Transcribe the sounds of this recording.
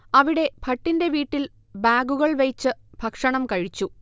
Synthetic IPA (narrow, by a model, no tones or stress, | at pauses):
ɐʋiɽe̞bʱɐʈːinde̞ʋiːʈːil | baːɡuɣɐɭʋɐjt͡ɕːɨbʱɐkʂɐɳɐmkɐɻit͡ɕːu